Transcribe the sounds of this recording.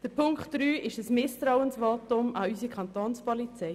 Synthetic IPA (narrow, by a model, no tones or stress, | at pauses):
d̥əɾpʰʊŋktd̥ɾyːʔɪʃəsmɪst̪ɾawənsvɑːt̪ʊmɑysikʰɑnt̪oːnspɔlit͡sɛj